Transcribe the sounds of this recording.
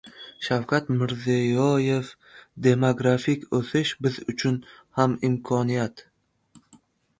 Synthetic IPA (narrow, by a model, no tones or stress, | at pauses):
ʃawkʲat̪mɪɾzijɒje̞f | d̪e̞moɡɾafikʲɵθɪʃbɪzʊt͡ʃʰʊn | hamɪmkʰɒnijat̪